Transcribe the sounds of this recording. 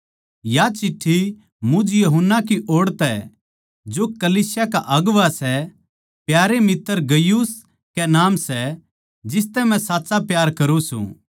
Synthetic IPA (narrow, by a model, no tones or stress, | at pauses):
jat͡ʃɪʈʰːi | mʊ̃d͡ʒjɐɦʊnːak̬iʔoːɽt̪ɛ | d͡ʒokɐliːsjakaʔɐɡʋasɛ | pjaːɾemɪt̪ːəɾɡɐjuːs | kɛnaːmsɛ | d͡ʒɪs̬t̪ɛmɛ̃saːtːsapjaːɾkɐɾũsṵ̃ː